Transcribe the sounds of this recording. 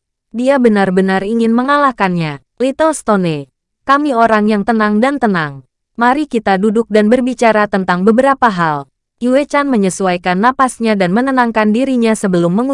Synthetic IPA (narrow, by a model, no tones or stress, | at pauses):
diabənarbənariŋɪnməŋalahkanɲa | lit̪olst̪one | kamioɾaŋjaŋt̪ənaŋdant̪ənaŋ | maɾikit̪adudʊk̚danbərbit͡ʃaɾat̪ənt̪aŋbəbəɾapaɦal | iwet͡ʃanməɲəsuajkanːapasɲadanmənənaŋkandiɾiɲasəbəlʊmːəŋu